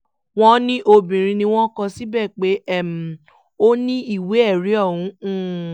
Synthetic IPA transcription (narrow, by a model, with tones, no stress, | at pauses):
w̃ɔ̃˦nĩ˦ʔo˧bĩ˨ɾ̃ĩ˧nĩ˧w̃ɔ̃˦kɔ̃˧si˦bɛ˦˨k͡pe˨˦ɛ˦˨m̩˨ | o˦nĩ˦i˦˨we˨˦ɛ˦˨ɾi˨˦ɔ˦˨wũ˨˦